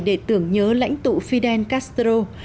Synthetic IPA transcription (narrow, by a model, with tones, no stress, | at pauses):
ɗe˧˩t̪ɨ˨˧˩əŋɲəː˨˦la̰˧˥jŋ̟t̪ṵ˧˨fi˧ɗɛ˧nkaː˦˥st̪ɾo˧